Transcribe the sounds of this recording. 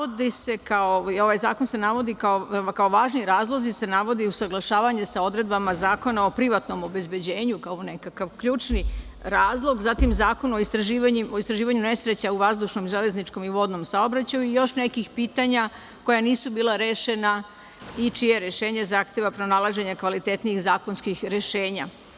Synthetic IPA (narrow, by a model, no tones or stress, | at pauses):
od̪ise̞kaoio̞ʋajzaːkonse̞naʋo̞d̪ikaokao̞ʋaːʒniɾaːzlˠo̞zise̞naʋo̞d̪iusaɡlˠaʃaːʋaɲesao̞d̪ɾe̞d̪̚bamazaːko̞nao̞pɾiʋat̪no̞mo̞be̞zbe̞d͡ʑe̞ːɲukao̞ne̞kakaʋkʎuːt͡ʃni | ɾaːzlˠo̞ɡzat̪imzaːko̞noist̪ɾaʒiːʋaɲoist̪ɾaʒiːʋaɲune̞sɾet͡ɕauʋazd̪uʃno̞mʒele̞znit͡ʃko̞miʋo̞d̪no̞msao̞bɾat͡ɕajuijo̞ʃne̞kixpiːt̪aɲa | ko̞janiːsubiːlˠaɾe̞ːʃe̞na | it͡ʃijeɾe̞ʃe̞ːɲezaːxt̪jeʋapɾo̞nalˠaʒe̞ɲakʋalit̪e̞t̪nijixzaːko̞nskixɾe̞ʃe̞ːɲa̰